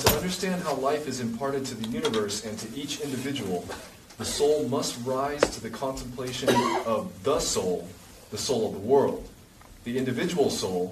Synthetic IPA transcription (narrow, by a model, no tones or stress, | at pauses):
tʰəʌ̃ndə˞stæ̃nd̚ɦaʊlaɪfɨzɨ̃mpʰɑɹɾɨd̚tʰɨðɨjʉnɨvɜ˞sɨ̃ntʰɨʔit͡ʃɪ̃ndɨvɪd͡ʒɨwl̩ˠ | ðɨsoʊlˠmʌst̚ɹaɪz̥tʰɨðɨkʰɑ̃ntə̃m̩pʰl̥eɪʃɨ̃nʌvðəsoʊlˠ | ðɨsoʊlˠʌvðəwɜ˞lˠd̪̚ | ðiɪ̃ndɨvɪd͡ʒəwl̩ˠsoʊlˠ